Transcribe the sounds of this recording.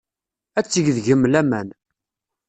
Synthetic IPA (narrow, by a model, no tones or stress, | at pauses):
æt͡sːəʝðʝəmːlæmæn